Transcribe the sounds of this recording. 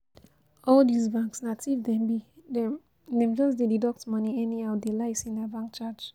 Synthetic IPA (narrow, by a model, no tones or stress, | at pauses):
ɔldizbãŋksnatʰivdɛ̃mbi | dɛ̃md͡ʒɔsdedidɔk̚tmʌniɛniaʊdelaɪsĩndɛbãŋk̚t͡ʃad͡ʒ